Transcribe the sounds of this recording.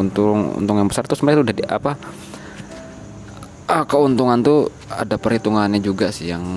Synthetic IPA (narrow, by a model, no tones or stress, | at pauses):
unt̪ʊŋṵnt̪ʊŋjaŋbəsart̪usəmɛt̪udahdiʔa̰pa | əkəunt̪uŋant̪u | a̰dapərɾit̪uŋanɲad͡ʒuɡasɪhjaŋ